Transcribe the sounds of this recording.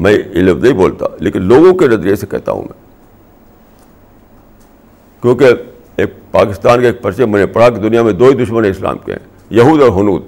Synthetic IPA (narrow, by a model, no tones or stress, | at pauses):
mɛ̃ɪlɪʋnɐɦĩboːlt̪a̰leːkɪnloːɡõkeɾɐd̪ɾesekɛ̰ɦt̪a̰ɦṵ̃mɛ̰̃ː | kjõːke | eːk̚pa̰ːkɪst̪aːnkeːk̚pɐɾt͡ʃemɛ̃ːnepɐɽ̤aked̪ʊnijamẽd̪oːid̪ʊʃmənẽɪsla̰ːmkḛɦɛ̰̃ː | jɐɦuːd̪ɔːɾɦʊnuːd̪